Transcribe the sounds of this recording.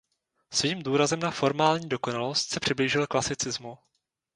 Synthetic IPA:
sviːmduːɾazɛmnafo̞ɾmaːlɲiːdo̞ko̞nalost̪sɛpr̥ɪbliːʒɪlklasɪt͡sɪzmu

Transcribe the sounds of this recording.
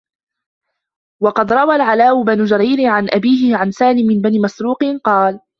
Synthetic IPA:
wɑqɑd̪ɾˤɑwalʕalaːʔʊbanʊd͡ʒaɾiːɾɪʕanʔabiːɦɪʕansaːlɪmːɪnbaniːmasɾuːqɨnqɑːl

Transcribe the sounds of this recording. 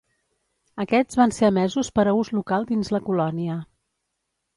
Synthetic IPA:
əkɛzβanseəmɛzuspəɾəuzlukalˠd̪inzləkulɔniə

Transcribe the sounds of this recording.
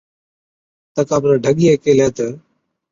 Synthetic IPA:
t̪əkaːbɾəɖʱəɠiːeːkeːleːt̪ə

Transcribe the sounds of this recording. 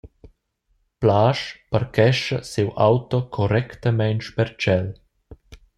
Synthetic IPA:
plaːʃpaɾkɛʃəsewʔa̰wt̪ɔkʰɔɾɛkt̪əmɛnt͡ʃpɛɾt͡ʃɛl

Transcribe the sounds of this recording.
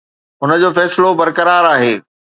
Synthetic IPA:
ʊnə̆d͡ʑoːfɛːsɪlobɐɾkɐɾaːɾaːɦeː

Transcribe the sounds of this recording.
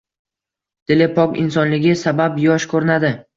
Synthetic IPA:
d̪̥ʰelepʰɒkʲɪ̰nsɒnlɪɡʲɪsabapjɒʃkʰɵɾɪnad̪ɪ

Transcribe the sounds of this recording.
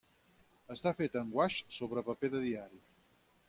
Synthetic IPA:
əst̪afet̪əŋɡwaʃsoβɾəpəpeðəðiaɾi

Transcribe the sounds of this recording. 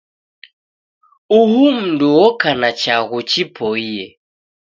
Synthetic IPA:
uhum̩nduwɔkanat͡ʃaɣut͡ʃipʰɔiɛ

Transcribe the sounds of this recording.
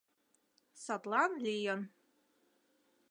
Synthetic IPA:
satʼlanlijan

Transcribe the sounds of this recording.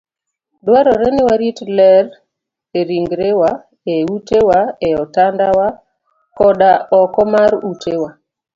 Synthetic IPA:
dwaɾɔɾɛnɪwaɾitlɛr | eɾiŋɡɾewa | eutewaeɔtandawa | kɔɗaɔkɔmaɾutʰewa

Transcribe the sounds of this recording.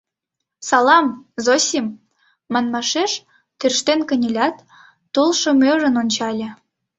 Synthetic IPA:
sɑlˠɑmzosʲim | mɑnmɑʃeʃ | t̪yrʃt̪enkə̆nʲelʲɑt̪ː | ulˠʃɤ̆møʒə̆nonʲt͡ɕɑlʲĕ

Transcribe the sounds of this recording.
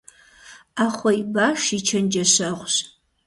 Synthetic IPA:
aχʷɔibaːʂit͡ʃʰɐnd͡ʒɐɕɐʁʷɕ

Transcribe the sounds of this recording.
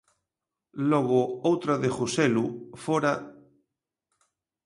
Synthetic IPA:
loɣoowt̪ɾaðexuselufoɾa

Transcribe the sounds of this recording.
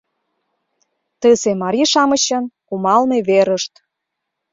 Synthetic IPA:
t̪əsemɑɾʲiʃɑməɕənkumɑlneβeɾəʃt̪

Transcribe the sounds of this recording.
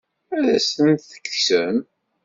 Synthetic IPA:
æðæsənt̪θə̥kːsəm

